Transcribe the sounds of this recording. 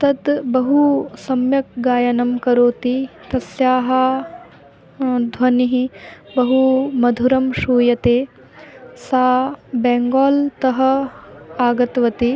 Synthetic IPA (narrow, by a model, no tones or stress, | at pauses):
t̪ɐd̪bɐɦusɐmjɐk̚ɡaːjɐnɐmkɐɾoːt̪it̪ɐsjaːɦɐ | d̪ʱʋɐniɦibɐɦumɐd̪ʱuɾɐmʃuːjɐt̪eː | saːbɛːŋɡaːlt̪ɐɦɐ̆ | aːɡɐt̪ʋɐt̪i